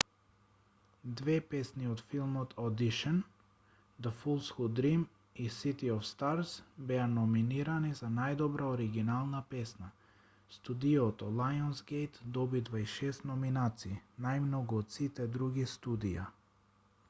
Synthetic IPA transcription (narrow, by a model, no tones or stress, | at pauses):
d̪vɛpɛsniɔt̪filˠmɔt̪ʰɔd̪iʃɛn | d̪əfulˠsxud̪ɾim | isit̪iɔfst̪aɾsbɛanɔminiɾanizanajd̪ɔbɾaɔɾiɡinalˠnapɛsna | st̪ud̪iɔt̪ɔlˠajɔnsɡɛjt̪d̪ɔbid̪vaiʃɛst̪nɔminat̪siːnajmnɔɡuɔt̪sit̪ɛd̪ɾuɡist̪ud̪ija̰